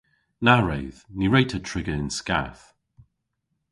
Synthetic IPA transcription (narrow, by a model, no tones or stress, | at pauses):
naɹejðniɹejtʰətʰɹ̥ɪɡəɪnska̰θ